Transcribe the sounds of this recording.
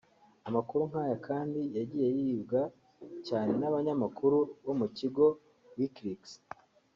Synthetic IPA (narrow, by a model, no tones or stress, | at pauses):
amakuɾuŋ̥haːjakʰaːndijaɟiːje̞jibɡa | caːne̞naβaɲamakʰuɾuβo̞muciɡo̞ | wikɾiks